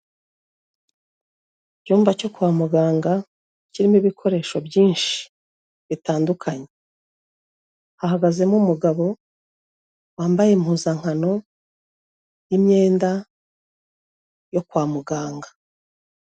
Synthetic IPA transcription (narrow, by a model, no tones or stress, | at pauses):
cuːmbaco̞kuwaːmuɡaːŋɡa | ciɾimiβikʰo̞ɾe̞ːʃobjiːnʃi̥ | βitaːndukʰaɲe̞ | hahaɡaze̞mumuɡaβo̞ | waːmbajemhuzaŋ̥hano̞ | jimɲe̞ːnda | jo̞kwaːmuɡaːŋɡḁ